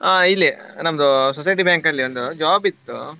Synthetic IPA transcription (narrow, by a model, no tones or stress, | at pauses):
aːilːinɐmɐd̪usɔs̬ɐjʈibjaːŋkɐlːiond̪ud͡ʒaːbit̪ːṵ